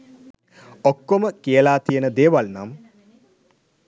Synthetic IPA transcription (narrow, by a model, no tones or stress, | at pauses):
okːoməkijəlaːt̪ijənəd̪eːʋalnam